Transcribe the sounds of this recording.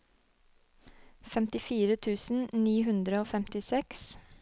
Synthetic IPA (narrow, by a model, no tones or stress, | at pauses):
fɛmt̪ɪfiːɾət̪ʰʉːsn̩niːɦʉnd̪ɾəoːfɛmt̪ɪsɛks